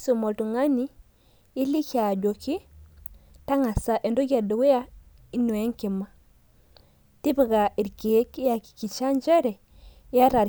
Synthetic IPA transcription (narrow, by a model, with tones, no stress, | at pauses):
su˨mo˨ltu˨ŋa˦ni˦ | i˦li˦ka˨d͡ʒo˨ki˦ | ta˦ŋa˨sa˨ʔe˨ndo˦ɡe˨du˨we˦ja˦ | i˦nu˨e˦ŋki˨ma˦ | ti˦bi˨ɡa˨i˨ɾki˨e˦ki˦ja˨ki̥˨ki˨t͡ʃa˦nd͡ʒe˦ɾe˨˦ | a˦ɾa˨ɾ